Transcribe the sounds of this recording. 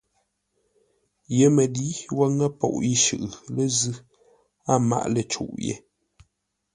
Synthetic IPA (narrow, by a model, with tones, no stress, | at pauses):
je˨˦mə˨di˦wə˦ŋə˦pɔ̰˨ʔi˦ʃʉ̰˨ʔlə˦zʉ˦ | a˦ma̰˦ʔlə˦˨t͡ʃṵ˨ʔjḛ˨